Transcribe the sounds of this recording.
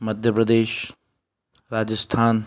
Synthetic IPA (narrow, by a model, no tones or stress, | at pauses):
mɐd̪ʱjəpɾɐd̪eːʃ | ɾaːd͡ʒəst̪ʰaːn